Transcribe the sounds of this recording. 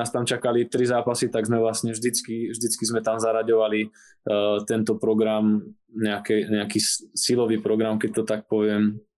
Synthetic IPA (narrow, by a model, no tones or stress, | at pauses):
aːst̪amt͡ʃakalit̪ɾizaːpasit̪aɡzmɛʋlasɲɛvʒd̪it͡skivʒd̪it͡skizmɛt̪amzaɾaɟɔʋali | t̪ɛnt̪ɔpɾɔɡɾam | ɲɛakɛɲɛakiːsilɔʋiːpɾɔɡɾamkɛc̚t̪ɔt̪ak̚pɔʋɪɛm